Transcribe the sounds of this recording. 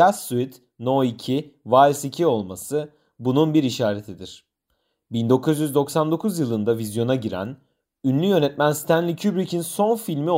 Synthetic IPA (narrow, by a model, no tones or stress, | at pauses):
asuit̪ | no̞icʰivaɛsicʰio̞lˠmasɯ | bununbiɾiʃaːɾet̪ʰid̪iɾ̥ | bind̪o̞kʰuzjyzd̪o̞ksand̪o̞kʰuzjɯlˠɯnd̪avizjo̞naɟiɾæ̰n | ynlʲyjø̞nɛt̪̚mænst̪ʰænlʲicʰybɾicʰinso̞nfilʲmio